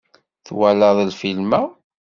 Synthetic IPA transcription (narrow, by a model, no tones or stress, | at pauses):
θwæləðˤlfilmæ